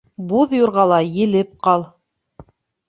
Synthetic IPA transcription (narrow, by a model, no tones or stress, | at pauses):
buðjuɾʁɑlˠɑjɘ̆lɘp̚qɑlˠ